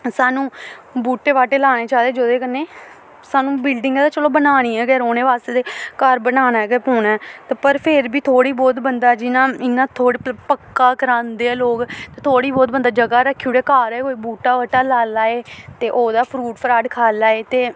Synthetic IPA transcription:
saːnũːbuːʈːeːʋaːʈeːlaːneːt͡ʃaːd̪eːd͡ʒoːd̪eːkənːeː | saːnũːbɪlɖɪŋɡɛːd̪aːt͡ʃəloːbənaːɽ̃iːɛːɡɛːɾoːneːʋaːst̪eːd̪eːkaɾbənaːnaɛɡɛpoːnaːt̪aːpəɾpʰɪɾbiːt̪ʰoːɽiːbɔːt̪bənd̪aːd͡ʒɪnãːɪnãːt̪ʰoːɽiːpəkːaːkəɾãːnd̪eːɛːloːkt̪eːt̪ʰoːɽiːbɔːt̪̚bənd̪aːd͡ʒəɡaːɾəkʰːiuːɽɛːkaːɾɛːoːiːbuːʈːaːʋaːʈaːlaːlaːeːt̪eːʔoːd̪aːpʰɾuːʈpʰəɾaːɖkʰaːlaːeːt̪eː

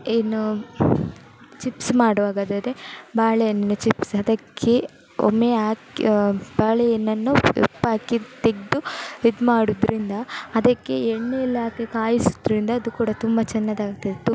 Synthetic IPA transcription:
eːnu | t͡ʃipsmaːɽɐʋaːɡad̪ɐd̪ebaːɭejɐnːɐnːut͡ʃipsɐd̪ɐkʰːe | o̰meaːkb̥aːɭejɐnːɐnːuḛpːaːkit̪eɡd̪uid̪maːɽud̪ɾʔind̪ɐɐd̪ɐkːeeɳːeilaːkekaːjisu̥d̪ɾind̪ɐːd̪ukuːɽɐt̪umbɐt͡ʃɛnːɐd̪aːɡ̚t̪ɐd̪et̪

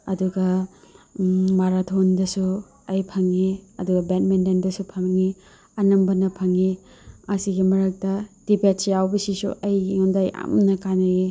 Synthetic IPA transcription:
ɐduɡɐ | maɾatʰondɐsu | ɐjpʰɐŋːiɐduɡɐbet̚mendendɐsupʰɐmŋi | ɐnɐmbɐnɐpʰɐŋi | ɐsiɡimɐɾɐk̚tɐd̥ipet̚sjawbɐsisṵʔɐjondajʔa̰mnɐkanɐɡi

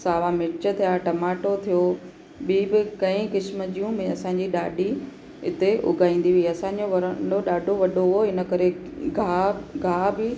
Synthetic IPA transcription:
saːʋamɪt͡ɕə̆t̪ʰijaːʈɐmaːʈot̪ʰijo | ɓiːbɪkɐ̃ĩkɪsməd͡ʑijũmɪ̃ɐsãːɲ̆d͡ʑiɗaːɗi | ɪt̪eʔʊ̰ɡʱaːĩːn̆d̪iʋiɐsãːɲd͡ʑoʋɐɾəɳɖoɗaːɖʱoʋɐɗoɦoɪnə̆kɐɾe | ɡʱaːɡʱaːbɪ

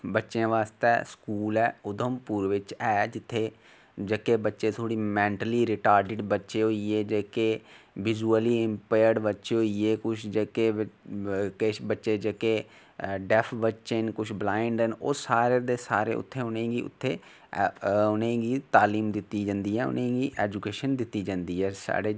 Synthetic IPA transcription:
bətːʃẽːʋaːst̪ɛːskuːlɛːʊd̪əmpuːɾʋɪt͡ʃɛːd͡ʒɪt̪ʰːeː | d͡ʒekeːbətːʃeːt̪ʰoːɽiːmɛ̃ːɳʈəliːɾɪʈaːɾɖɪʈbətːʃeːɦoːieːd͡ʒeːkeːʋɪzuːəliːɪmpaːjəɾɖbətːʃeɦoːieːkʊt͡ʃʰd͡ʒekeː | kebətːʃeːd͡ʒeːkeː | ɖɛpʰbətːʃenkʊt͡ʃʰblaːɪɳɖəno̰ːsaːɾeːd̪eːsaːɾḛːʊ̰t̪ʰːeːʊnẽːɡiːʊ̰t̪ʰːeː | ʊnẽːɡiːt̪aːliːmd̪ɪt̪ːiːd͡ʒãːnd̪iːɛːʊ̰nẽːɡiːʔɛːd͡ʒukeːʃənd̪ɪt̪ːiːd͡ʒãːnd̪iːɛːsa̰ːɖeː

